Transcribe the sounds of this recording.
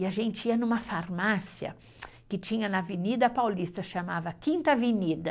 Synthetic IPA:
ɪaʒẽnt͡ʃɪiɐnũmɐfaɾmasjɐ̰ | kɪt͡ʃĩɲɐnɐvenid̪ɐpawlist̪ɐʃamavɐkĩnt̪ɐvinid̪ɐ

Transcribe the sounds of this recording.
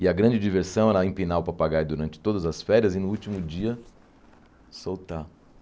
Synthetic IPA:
ɪɐɡɾɐ̃d͡ʒɪd͡ʒiveɾsɐ̃w̃ɛɾɐẽpinawpɾɐpaɡaɾd̪uɾɐ̃nt͡ʃɪ̥t̪od̪ɐzɐsfɛɾiɐzɪnʊut͡ʃimʊd͡ʒiɐ | sowt̪a

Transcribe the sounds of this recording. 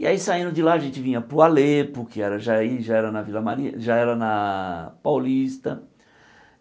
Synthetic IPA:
ɪaisaĩnd̪ʊd͡ʒɪlaɐʒẽnt͡ʃɪvĩɲɐpɾʊalepʊkɪɛɾɐʒaiʒaɛɾɐnɐvilɐmaɾiɐ̰ʒaɛɾɐnɐpawlist̪ɐ

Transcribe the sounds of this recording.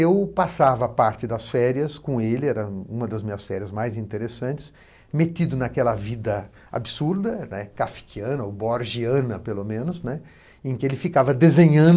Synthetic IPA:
ewpasavɐpaɾt͡ʃ̪ɪd̪ɐsfɛɾiɐskõelɪɛɾɐũmɐd̪ɐzmĩɲɐsfɛɾiɐzmajzĩnt̪eɾesɐ̃nt͡ʃɪ̥s | met̪id̪ʊnakɛlɐvid̪ɐ | a̰bisuɾd̪ɐnɛkafi̥kʰiɐ̃nɐoboɾʒiɐ̃nɐpelomẽnʊznɛ | ẽkɪelɪfikavɐd̪ezẽɲɐ̃

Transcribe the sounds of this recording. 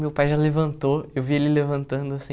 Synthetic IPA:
mewpajʒalevɐ̃nt̪oewvielɪlevɐ̃nt̪ɐ̃nd̪ʊasĩ

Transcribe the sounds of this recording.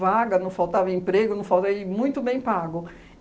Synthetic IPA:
vaɡɐnɐ̃w̃fawt̪avɐẽpɾeɡʊnɐ̃fawt̪eɪmũj̃t̪ʊbẽj̃paɡʊ

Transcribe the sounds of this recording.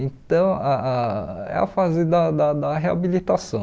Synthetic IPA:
ẽt̪ɐ̃w̃aaɛ̰a̰fazɪd̪ɐd̪ɐd̪ɐɦea̰bilit̪asɐ̃

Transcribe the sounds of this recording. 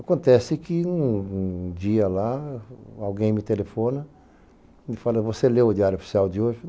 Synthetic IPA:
akõnt̪ɛsɪkɪ̃ũd͡ʒiɐla | awɡẽj̃mɪt̪elefõnɐ | mɪfalɐvoselewʊdiaɾjʊofi̥siawd̪ɪoʒɪ

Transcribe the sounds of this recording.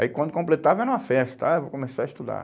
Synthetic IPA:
a̰ikwɐ̃nd̪ʊkõmplet̪avanɐ̃ɐfɛst̪ɐ̥t̪aewvokõmesaɾɐist̪ud̪a̰ɾ

